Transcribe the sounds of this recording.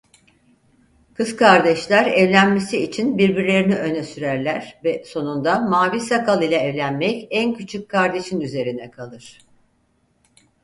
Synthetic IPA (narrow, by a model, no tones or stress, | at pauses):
kʰɯzkʰaɾd̪ɛʃlʲæɾɛvlʲænme̞siːt͡ʃʰinbiɾbiɾlʲe̞ɾiniø̞nɛsyɾæɾlʲæɾ̥vɛso̞nund̪amaːvisakʰalˠilʲˠaɛvlʲænmɛcæncʰyt͡ʃʰyckʰːaɾd̪e̞ʃinyze̞ɾinɛkʰalˠɯɾ̥